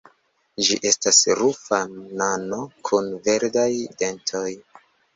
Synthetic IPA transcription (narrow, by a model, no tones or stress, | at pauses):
d͡ʒiʔe̞stasɾufanano̞kʰunve̞ɾdajde̞ntʰo̞j